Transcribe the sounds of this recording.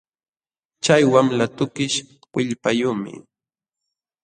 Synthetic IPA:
t͡ʃajwamlat̪ʊkɪʃ | wɪʎpajuːmɪ̰

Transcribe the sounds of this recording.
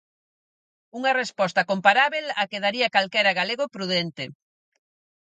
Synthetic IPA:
uŋɐrespɔst̪ɐkompaɾaβelakeðaɾiakalkɛɾaɣaleɣopɾuðent̪e

